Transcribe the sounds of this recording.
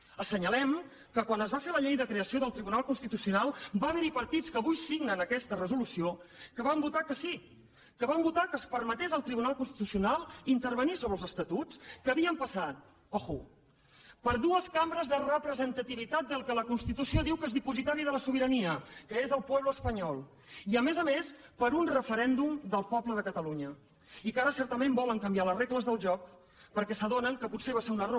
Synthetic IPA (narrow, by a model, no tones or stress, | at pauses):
əsəɲəlɛm | kəkwanəzβafeləʎejðəkɾeəsioðəlˠt̪ɾiβunalˠkunst̪it̪usiunalˠbaβənipəɾt̪it͡skəβujsiɡnənəkɛst̪ərəzulusiokəβambut̪akəsi | kəβambut̪akəspəɾmət̪ezəlˠt̪ɾiβunalˠkunst̪i̥t̪usiunalˠint̪əɾβənisoβɾəlˠzəst̪ət̪ut͡skəːβiəmpəsat̪̚ | ɔxu | pəɾðuəskambɾəzðərəpɾəzənt̪ət̪iβ̞it̪at̪̚d̪əlˠkələkunst̪it̪usioðiwkezðipuzit̪aɾiðələsuβiɾəniəkəezəlˠpwɛβləːspəɲɔlˠ | iəmezəmespəɾunrəfəɾɛnd̪umd̪əlˠpɔbləðəkət̪əluɲə | ikaɾəsɛɾt̪əmembɔləŋkəmbialəzrekləzðəlˠʒɔk | pəɾkɛsəðonəŋkəputseβaseunəro